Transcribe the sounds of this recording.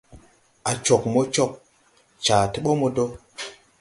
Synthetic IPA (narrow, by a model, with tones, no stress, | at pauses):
a˨t͡ʃo˨k̚mo˦t͡ʃo˦k̚ | t͡ʃaː˨ti˦ɓo˦mo˨do˦